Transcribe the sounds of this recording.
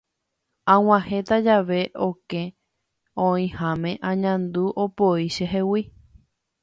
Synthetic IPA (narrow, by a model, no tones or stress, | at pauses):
ãw̃ãhe̞t̪ad͡ʒaʋe̞ʔo̞kẽ̞ | õĩhãmẽ̞ʔãɲãnd̪uʔopoiʃeɦewi